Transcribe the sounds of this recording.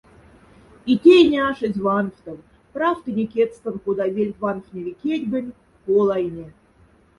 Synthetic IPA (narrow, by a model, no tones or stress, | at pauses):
it̪ʲejnʲeɑʃə̆zʲvɑnoft̪ɤ̆w | prɑft̪ənʲekʲet̪st̪ə̆nkod̪ɑvʲelʲtʲvɑnofnʲevʲekʲetʲɡə̆nʲ | kolˠɑjnʲe